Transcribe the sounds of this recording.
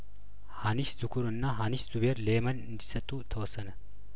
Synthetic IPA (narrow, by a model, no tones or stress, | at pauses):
haniʃzukʰuɾɨnːaɦaniʃz̥uβeɾlemɐnɨnd̪isət̪ʼːut̪ʰəwɔsːənə